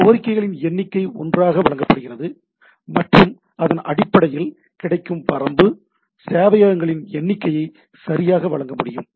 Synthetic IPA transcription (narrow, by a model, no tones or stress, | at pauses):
oːɐɾɪkːɐɪɣɐɭɪnɛnːɪkːɐɪɔ̰ndraːɣɐʋɐlɐŋɡɐpːɐɽɯɣɪrɐðɯ | mɐʈrɯm | ɐðɐnʔɐ̰ɽɪpːɐɽɐjɪl | kɪɽɐɪkːɯmpɐɾɐmbɯ | seːʋɐjaːɾɐŋɡɐɭɪnɛnːɪkːɐjɐɪ | sɐɾɪjaːɣɐʋɐɭɐŋɡɐmʊɽɪjɯm